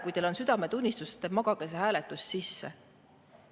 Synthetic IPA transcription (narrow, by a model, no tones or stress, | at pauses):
kujt̪e̞lo̞nsyd̪̥ɑme̞t̪unʲːist̪ust̪e̞mɑɡ̥ɑke̞s̬e̞ɦæːle̞t̪ˑːussisːe̞̰